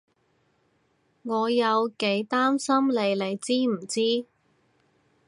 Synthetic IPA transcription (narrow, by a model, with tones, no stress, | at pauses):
ŋɔː˨˧jɐ˨˧wke˨˥jt̪aː˥msɐ˥mle˨˧jle˨˧jt͡siː˥m̩˨˩t͡siː˥